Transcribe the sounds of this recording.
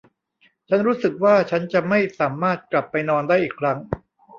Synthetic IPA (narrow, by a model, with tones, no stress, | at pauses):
t͡ɕʰa˦˥nɾuː˦˥sɯ˨˩k̚waː˥˩t͡ɕʰa˦˥nt͡ɕa˨˩ma˥˩jsaː˩˦maː˥˩t̪̚kla˨˩pːa˧jnɔː˧ndaː˥˩ʔiː˨˩kʰɾa˦˥ŋ